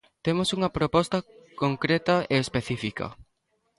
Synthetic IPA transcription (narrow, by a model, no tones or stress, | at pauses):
t̪emosuŋɐpɾopɔst̪ɐkoŋkɾet̪ɐeːspeθifikɐ̰